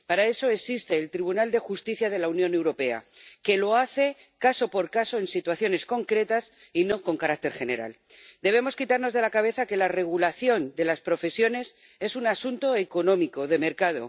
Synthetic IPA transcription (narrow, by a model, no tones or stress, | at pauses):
paɾae̞so̞e̞sist̪e̞ːlt̪ɾiβ̞unald̪e̞xust̪iθjað̞e̞launjõne̞wɾo̞pe̞a̰ke̞lo̞aθe̞ | kaso̞po̞ɾkaso̞e̞nsit̪waθjo̞ne̞sko̞ŋkɾe̞t̪as | ino̞ko̞ŋkaɾak̚t̪e̞ɾxe̞ne̞̰ɾa̰l | d̪e̞β̞e̞mo̞skit̪aɾno̞zðe̞lakaβ̞e̞θake̞lare̞ɣ̞ulaθjo̞nd̪e̞laspɾo̞fe̞sjo̞ne̞s | e̞sunasunt̪o̞eko̞nõ̞miko̞ð̞e̞me̞ɾkað̞o̞̰